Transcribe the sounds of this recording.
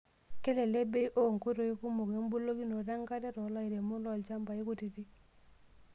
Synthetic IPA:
kɛ˦lɛ˨le˦be˦ʔo˦˨ŋ˨ku˦ɾo˨i˦ku˦mo˨ke˦m˦bu˦lo˦ki˦no˨da˦ŋka˦tɛ˦tɔ˨˦la˦i˨ɾe˨mʊ˦lɔ˦˨lt͡ʃa˦mba˨i˦ku˦ti˨ti˦

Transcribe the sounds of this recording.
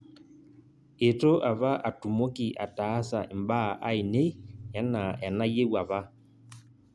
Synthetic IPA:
e˨to˦ʔa˨βa˦ʔa˨tu˨mo˦ki˨ʔa̰˨ta˨˦sa˨ʔi˨m˦ba˦˨ʔa˦i˨ne˦ja˦na˨a˨na˦je˦wa˨βa˦

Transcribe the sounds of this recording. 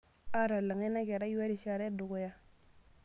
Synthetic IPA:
a˦ɾa˨la˨ŋe˦na˦ɡe˨ɾa˦ji˦wa˦ɾi˨ʃa˦ɾe˦du˨ɡo˦ja˦

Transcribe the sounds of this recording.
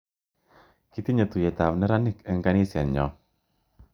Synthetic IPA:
ki˦t̪i˦ɲe˨t̪u˨jɛ˨t̪a˨wnɛ˦ɾa˦nɪ˦kɛ˨ŋɡa˦ni˦sɛ˨nɲɔ˨

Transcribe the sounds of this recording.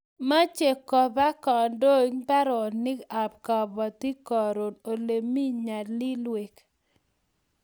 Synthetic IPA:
ma˦t͡ʃe˨kɔ˨ba˦kɔ˨ndo˦ɲpa˦ɾɔ˨nɪ˦ka˨p̚kɔ˨bɔ˨ti˦kɔ˨ɾo˨no˨le˨mi˦ɲa˨dli˦lwe˨k

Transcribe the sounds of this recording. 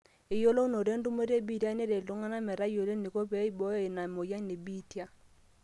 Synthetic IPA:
ɪ˨jo˦lo˦u˦no˨ɾe˦ndu˦me˦ɾe˦˨bi˦tja˦ne˦ɾe˨lo˦ŋa˦na˦mɛ˨ɾa˦jo˨le˦ni˨ko˦pɛ˨˦i˦bɔ˦e˨na˨mo˨ja˦ne˨bi˦tja˦

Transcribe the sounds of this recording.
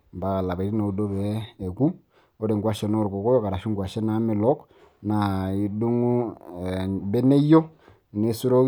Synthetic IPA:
mba˨ka˨la˨βe˨ɾi˦na˨u˨do˦βeː˨˦˨ku˦ | o˦ɾe˨ŋɡwa˦ʃe˨no˦˨ɾko˨ko˦ɾo˦ka˨ɾa˨ʃi˦ŋɡwa˨ʃe˦na˨˦me˨lɔ˦k | na˨i˨du˦ŋu˦˨ | be˦ne˦jo˦ | ne˨su˦ɾo˦

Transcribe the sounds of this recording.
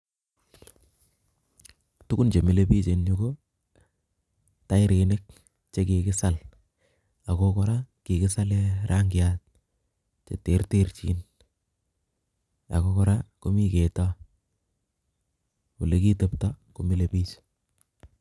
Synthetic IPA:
tu˦ku˦nt͡ʃe˨mi˨le˦pi˦t͡ʃe˨nɲo˦ko˦ | ta˦i˦ɾʔe˨nɪ˦k̚ | t͡ʃe˦ki˨kɪ˦sa˦l | a˨ko˦kɔ˦ɾa˦ki˨kɪ˦sa˦lɛ˦ɾʔa˦ŋɡɪ˨at̚ | t͡ʃḛ˨te˨rte˦ɾt͡ʃḭ˦n | a̰˨ko˦kɔ˦ɾa˦ko˦mi˦ke˨tɔ˦ | u˨le˦ki˦te˦ptɔ˦ko˨mi˦le˨pi˦t͡ʃ

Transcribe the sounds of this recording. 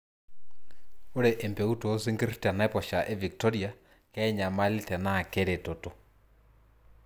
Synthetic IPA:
o˦ɾɛ˨ʔɛ˨mpɛ˨u˦tɔo˦si˦ŋɡi˦rita˨na˦ɛ˦pɔ˨ʃa˨ʔɛ˦vi˨k̚tɔ˦ɾia | kɛ˦ɲa˨ma˦li˦tɛ˨na˨kɛ˦ɾɛ˨tɔ˨tɔ˨

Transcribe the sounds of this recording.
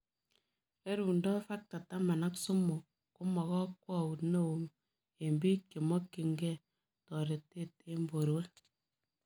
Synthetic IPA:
e˦ɾu˨ndɔ˦fa˦k̚ta˨ta˦ma˨na˦ksu˦mo˨ | ku˦mɔ˨ɣɔ˦kwɔ˦˨wu˨tne˦˨wo˨m | e˨mbi˦ke˨mɔ˦kːi˨ŋɡɛ˦˨ | tɔ˨ɾe˨tːe˦˨te˦mbo˨ɾwe˦

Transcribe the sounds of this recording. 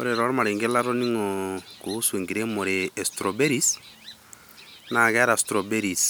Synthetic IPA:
o̰ɾe˨ɾɔ˦ɾma˨ɾe˨ŋɡe˦la˦ɾɔ˦ni˦ŋɔko˨˦swe˨ŋɡiɾe˦mɔ˨ɾeɛ˨stɾɔ˨be˦ɾi˦s | na˨kɛ˦ɾastɾɔ˨be˦ɾis

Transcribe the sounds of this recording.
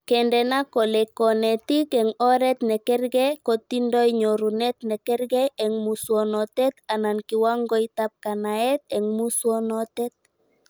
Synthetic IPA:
kɛndɛ˨nakɔ˨lɛkɔ˨nɛ˨t̪i˦kɛ˨ŋɔ˦ɾɛ˦t̪nɛ˨kɛ˦ɾɡɛko˨t̪i˦ndɔ˦jɲo˨ɾu˨nɛ˦t̪nɛ˨kɛ˦ɾɡɛɛ˨ŋmuswɔnɔt̪ɛt̪a˨na˨nki˨wa˦ŋɡɔ˦it̪ap̚ka˨naɛt̪̚ɛ˨ŋmu˦swɔ˦nɔt̪ɛt̪̚

